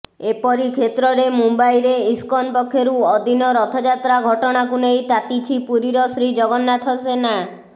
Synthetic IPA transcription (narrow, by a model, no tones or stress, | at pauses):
epɔɾikʰet̪ɾɔɾemumbajɾeiskɔnpɔkʰːjoɾuɔd̪inɔɾɔt̪ʰɔd͡ʒat̪ɾaɡʱɔʈɔɽ̃akunejt̪at̪it͡ʃʰipuɾiɾɔsɾid͡ʒɔɡɔnːat̪ʰɔsena